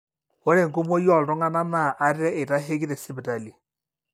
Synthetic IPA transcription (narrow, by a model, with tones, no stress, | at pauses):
o˦ɾe˨ŋ˨ɡo˦mɔ˦jɔ˦˨ltɔ˦ŋa˦na˦ma˦˨ʔa˦ɾɪ˦ɾɛ˦e˨ta˦ɦe˦ki˦ðɛ˨sɪ˦bɪ˨ta˨li˨